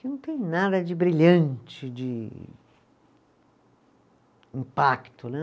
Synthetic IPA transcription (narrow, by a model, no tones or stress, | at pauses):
kɪnɐ̃w̃t̪ẽj̃nad̪ɐd͡ʒɪbɾiʎɐ̃nt͡ʃɪd͡ʒɪ | ĩpakt̪ʊnɛ